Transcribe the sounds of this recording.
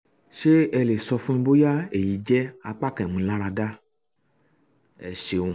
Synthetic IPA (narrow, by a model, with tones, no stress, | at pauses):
ʃe˦ɛ˧le˨sɔ˧fũ˦ĩ˧bo˦ja˦e˨ji˨d͡ʒɛ˦a˨k͡pa˦kɛ̃˨mũ˨˦la˦ɾa˧da˦ | ɛ˨ʃe˨wũ˨